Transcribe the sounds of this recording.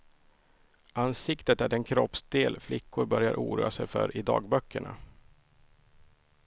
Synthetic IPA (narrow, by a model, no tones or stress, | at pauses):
ansɪkt̪ət̪æɖɛnkʰɾɔpsd̪eːlflɪkʰːʊɾbœɾja̰ɾʔṵːɾuːasɛjfœ̰ɾʔɪd̪ɑ̰ːɡbœkʰːəɳa̰